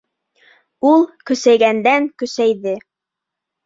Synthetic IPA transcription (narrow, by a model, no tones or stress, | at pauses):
ulˠkɵ̆sæjɡænd̪æŋkɵ̆sæjðɘ